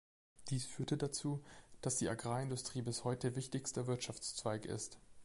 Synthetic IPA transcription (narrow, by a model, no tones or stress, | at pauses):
d̥iːsfyːɐtədat͡suːd̥asd̥iːʔaɡʁaːɪndʊstʁ̥iːbɪshɔʏtəvɪçtɪçstəvɪɐtʃaft͡st͡sv̥aɪkɪ̰st